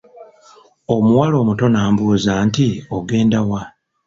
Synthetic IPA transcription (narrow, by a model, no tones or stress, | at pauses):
o̞muwalo̞ːmuto̞naːmbuːzaːntioɡe̞ːndawa